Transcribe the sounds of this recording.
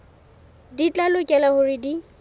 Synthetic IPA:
dit͡ɬʼalʊkʼɛlahʊrɪdi

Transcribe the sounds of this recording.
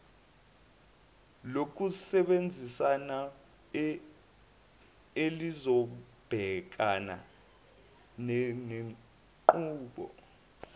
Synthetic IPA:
lok̬usɛɓend͡zʱisana | elizɔ | b̥ʱɛk̬ana̰ | nne | ǃuːɓɔ̰

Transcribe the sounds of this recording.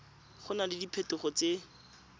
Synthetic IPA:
χʊnalɪdipʰetʊχɔt͡se

